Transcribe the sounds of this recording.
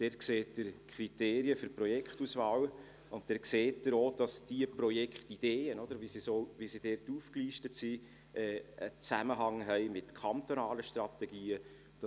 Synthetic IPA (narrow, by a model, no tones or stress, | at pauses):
d̥ɛrtkseːtdəɾkʰχɾiteːɾiəfʏɾprɔjɛkχtusvɑːw | ʊntdɛːɾkseːtdəɾoːd̥ɑsd̥iəprɔjɛkχtid̥eːənɔd̥̪əɾʋisisoːʋisid̥ɛːrtuːfkliːʃtətsi | ʔɛːə̰t͡sæməɦɑŋɦɛɪmɪtkʰɑnt̪onɑːləʃtrɑt̪ɛɡ̥iːə | d̥ɑ